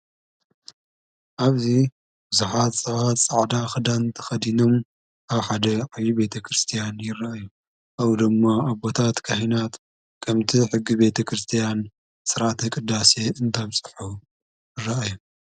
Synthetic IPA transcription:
ʔaβzi | b̥ɨzuħat̪ʼɐβat̪sʼaʕd̪axɨd̪ant̪ʰɐ̥xɐd̪ino̞m | ʔaβħad̪ɐʕajibe̞t̪ʰɐkʰɾɨst̪ʰijanjɪraʔaju | ʔawd̪ɨmːaaβo̞t̪ʰat̪kʰahinat̪ | kʰɐmt̪ʰiħɨɡːibe̞t̪ʰɐkʰɾɨst̪ʰijan | sɨɾat̪ɨkʼɨd̪ːaseɨnt̪ʰɐβt͡sʼɨ̥ħu | jɪrːaʔaju

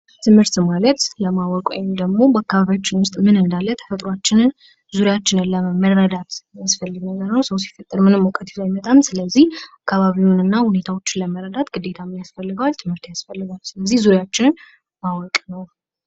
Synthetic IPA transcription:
t̪ʰɨmhɨɾt̪malət̪ləmawɔkʼwo̰jmd̪əɡmo̞bəakːaβaβjat͡ʃːɪnwʊst̪ʼmɨnɨnd̪alːət̪ʰə̥fət̪ʼɾoat͡ʃːɪnɨn | zuɾijat͡ʃːɪnɛlːəmərːəd̪at̪jasfəlːɨɡnəɡəɾnəwsəwsi̥fət̪ʼəɾmɨnɨmːɔkʼət̪ʰi̥ajmət̪ʼamsɨləzːihakʰːaβaβiunɨnːahune̞t̪ʰawo̞t͡ʃːɪnləməɾəd̪at̪ɡɨd̪e̞t̪ʰamjasfəlːɨɡəwalt̪ʰɨmhɨɾt̪jasfəlːɨɡalsɨləzːihzuɾjat͡ʃːɪnɨn | mawɔkʼnəw

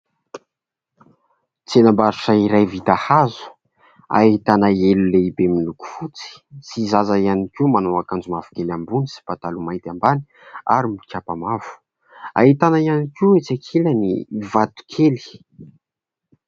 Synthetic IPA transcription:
t͡sienambaɾuʈ͡ʂaiɾajvit̪ahazu̥ | a̰hit̪anaeluleibemiluku̥fut͡si̥sizazajanikʲimanoakand͡zumavu̥kelambunisi̥pat̪alumajt̪ambani̥ | a̰ɾimikʰʲapamavu̥ | a̰ɦit̪anaijanikiwet͡sakʰilanḭvat̪u̥kʰeli̥

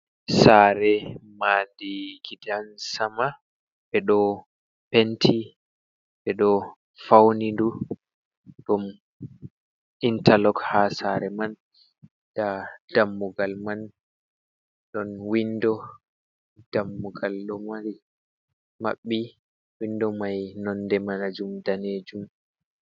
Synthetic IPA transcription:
saɾɛmandiɡidansama | ɓɛɗɔ | pentʰi | ɓɛɗɔ | fawnindu | dɔm | intalɔkhasaɾɛman | d̥ad̥amːuɡalman | ɗɔnwindɔ | d̥amːuɡalɗɔmaɾi | ma̰ɓːi | windɔmajnɔnːdɛmanad͡ʒumdaned͡ʒum

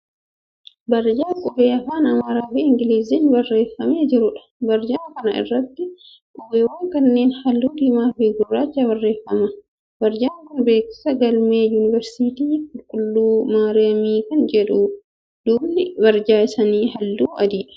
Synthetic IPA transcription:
bɐɾd͡ʒaːkʼʊweːɐfaːnɐmaːɾaːfiːɪŋɡɪliːzinbɐrːeːfːɐmeːd͡ʒɪɾʊᶑɐ̥ | bɐɾd͡ʒaːkɐnɐʔɪ̰rːɐt̪ːɪ | kʼʊweːwɐŋkɐnːeːnhɐlːuːd̪ɪmaːfiɡʊrːaːt͡ʃːɐbɐrːeːfːɐmɐ | bɐɾd͡ʒaːŋkʊnbe̞ːkɪ̥sɐɡɐlmeːjunɪvɛɾsiːt̪iːkʼʊlkʼʊlːuːmaːɾɪɐmiːkɐnd͡ʒɛᶑu | d̪̥uːbnɪbɐɾd͡ʒaːɪsɐniːhɐlːuːʔɐ̰d̪iːᶑɐ̥

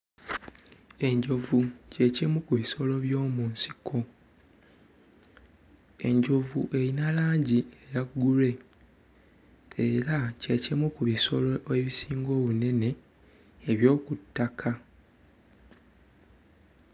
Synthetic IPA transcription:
e̞ɲɟo̞vuce̞cimukuβiso̞lo̞βjo̞ːmuːnsi̥kʰo̞ | e̞̰ɲɟo̞vṵʔe̞ɾinalaːɲɟiejaɡule̞ | eɾace̞cimukuβiso̞lo̞ʔeβisiːŋɡo̞ːβune̞ne̞ː | βjo̞ːkutːakʰa

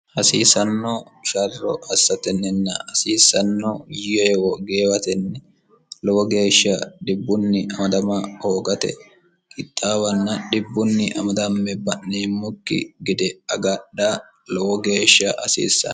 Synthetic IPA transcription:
hɐsiːsɐnːɔʃɐrːɔ̰ɐsːɐt̪ɛnːɛnːɐ̰hɐsiːsːɐnːojɪjɛwɔɡeːwɐt̪ɛnːɛ | lɔwɔɡe̞ːʃːɐɗɪbːʊnːɪʔɐmɐd̪ɐmɐhoːɡɐt̪ɛ̰ | kʼɪt̪ʼːaːwɐnːɐɗɪbːʊnːɪʔɐmɐd̪ɐmːɛbɐʔːeːmːʊkːɪ̰ɡɪd̪ɛɐɡɐɗa | lɔwɔɡe̞ːʃːɐɐsḭːsːɐ̰

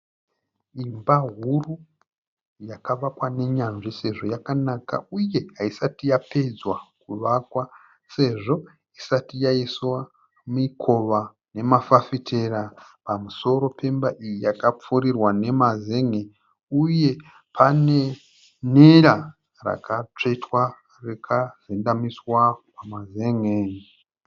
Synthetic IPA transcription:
imbaɦuru | jakaʋakwane̞ɲanʐise̞ʐo̞jakanaka̰uje̞ɦaisatijape̞d͡zwakuʋakwa | se̞ʐo̞ | isatijaiswa | muikʰo̞ʋa | ne̞mafafitʰerapamuso̞ɾo̞pe̞mbaʔijijakap͡fuɾirwane̞maze̞ŋe | uje̞ | pʰane̞ | neɾa | ra̰kat͡ʂe̞twa | rekʰarendamiswapamaze̞ŋeːn

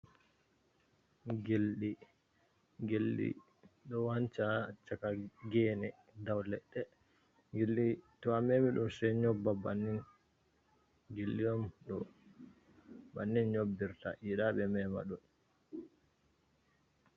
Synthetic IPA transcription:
ɡelɗi | ɡelɗḭ | ɗɔwant͡ʃat͡ʃakaɡɛːnɛ | dawlɛɗːɛ | ɡelːitɔamɛmiɗumsɛɲɔbːabanːin | ɡelːiɔmɗɔ | banːinɲobːiɾta̰jiɗaɓɛmɛma̰ɗɔn

